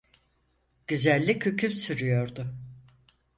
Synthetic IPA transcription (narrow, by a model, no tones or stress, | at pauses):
ɟ̥yzælʲːicʰycʰypsyɾyjo̞ɾd̪ʊ